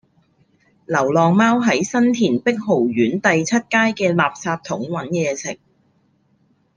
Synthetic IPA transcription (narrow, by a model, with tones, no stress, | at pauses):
lɐ˨˩wlɔː˨ŋmaː˥wɦɐ˨˥jsɐ˥nt̪ʰiː˨˩npɪ˥k̚ɦo˨˩wɥyː˨˥nt̪ɐ˨jt͡sʰɐ˥t̚kaː˥jkɛː˧laː˨p̚saː˧p̚t̪ʰʊ˨˥ŋwɐ˨˥njɛː˧sʰɪ˨˩k̚